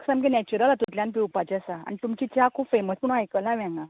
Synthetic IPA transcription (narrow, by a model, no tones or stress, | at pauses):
ksamk̬enɛt͡ɕuɾəlat̪ut̪ljãnp̬iupat͡ɕasaa̰nit̪umt͡ɕit͡ɕakʰupfeməsməɽ̃ajkəlnaʋɛ̃ŋɡa